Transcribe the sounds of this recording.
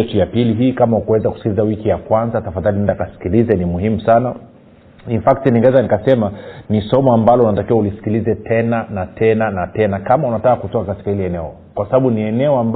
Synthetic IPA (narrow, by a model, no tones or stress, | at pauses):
ɛtujapiliɦiːkamaukuwɛzaku̥si̥kilizawikijakwanzatafaðalinɛndakasi̥kilizɛnimuhimusana | iɱfaktiniŋɡɛzanikasɛmanisɔmɔambalɔunatakiwaulisi̥kilizɛtʰɛnanatʰɛnanatɛnakamaunatakakutɔkakati̥kahilɛɛnɛɔ | kwasaɓaɓuniɛnɛɔamb